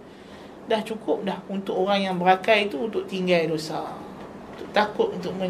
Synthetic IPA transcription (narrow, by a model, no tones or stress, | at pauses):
daht͡ʃukʊp̚dahunt̪ʊkoɾaŋjaŋbəɾakajt̪uːnt̪ʊʔt̪iŋɡajdosa | unt̪ʊʔt̪akʊt̪̚unt̪ʊʔ̚mə̃